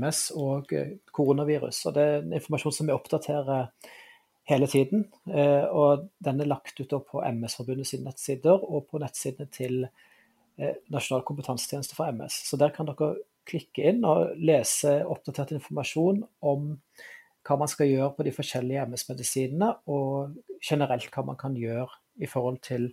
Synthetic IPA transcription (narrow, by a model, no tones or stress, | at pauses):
ɛsɔɡkʰʊʁuːnɑʋiːɾʉ̰sɔ̰d̪ɛæɛnɪnfɔɾmɑʂuːnsɔmʋɪɔpd̪ɑt̪ʰeːɾə | heːlət̪ʰiːd̪n̩ | ɔd̪ɛnːælɑkt̪ʉːt̪̚d̪oːpʰɔʔɛ̰mɛsfɔɾbʉnːəsiːnənɛt̪siːd̪əɾɔpʰɔnɛt̪ːsiːd̪ənət̪ʰɪl | nɑʂʊnɑːlkʰʊmpət̪ʰɑnsə̥t̪ʰɛːnst̪əfɾʁɑɛmɛ̰ssɔd̪æːʁkʰɑnd̪ɔkːə | kʰlɪkːəɪnːɔ̰leːsəɔp̚d̪ɑt̪ʰeːʁt̪ɪnfɔɾmɑʂuːnɔm | kʰɑːmɑnskɑljøːɾəpʰɔd̪ɪfɔʂɛlːɪəɛmɛsmɛd̪ɪsiːnənəɔʃɛnəɾɛlt̪kʰɑːmʔɑ̰nkʰɑnjøːɾ | ɪfɔɾhɔlt̪ʰɪl